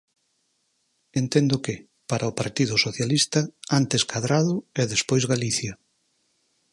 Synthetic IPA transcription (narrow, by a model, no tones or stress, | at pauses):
ent̪ɛnd̪ʊkɪ | paɾʔaʊpaɾt̪iðʊsoθjalist̪ɐant̪eskʰaðɾaðʊɛðespojzɣaliθjɐ